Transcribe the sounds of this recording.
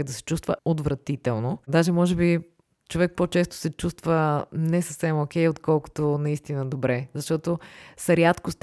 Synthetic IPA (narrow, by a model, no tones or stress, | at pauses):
d̪ɐsɛ̥t͡ʃust̪vəod̪vɾɐt̪it̪ɛlˠnod̪aʒɛmɔʒɛbi | t͡ʃovɛk̚pot͡ʃɛst̪ʊ̥sɛt͡ʃust̪vənɛsəfsɛmokʲɛjot̪kɔlˠkʊ̥t̪onɐist̪inəd̪obɾɛzɐʃt̪ɔt̪osɾʲjat̪kʊst̪